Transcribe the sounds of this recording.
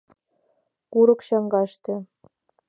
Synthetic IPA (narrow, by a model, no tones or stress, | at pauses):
kuɾɤ̆kɕɑŋɡɑʃt̪ɤ̆